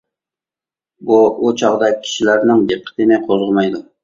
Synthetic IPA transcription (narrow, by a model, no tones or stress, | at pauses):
buut͡ʃʰɑʁd̪ɑk̚ʲʰːi̥ʃilæɾnɪŋd̪eqʰə̥t̪ʰɪnɪqʰozʁəmɑjd̪u